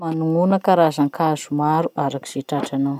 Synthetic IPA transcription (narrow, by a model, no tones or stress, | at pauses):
manuŋunəkaɾazaŋkʰaz̥umaɾuaɾaki̥z̥eʈ͡ʂaʈ͡ʂanaw